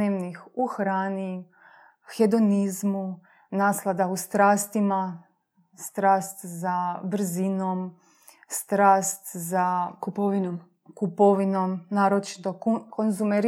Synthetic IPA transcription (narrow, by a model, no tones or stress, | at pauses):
eːʋnixuxɾaːni | xed̪o̞nizmu | naːslˠad̪aust̪ɾaːst̪ima | st̪ɾaːst̪zabr̩zinom | st̪ɾaːst̪za | kupoʋinomnaːɾot͡ʃi̥t̪o̞konzumeɾ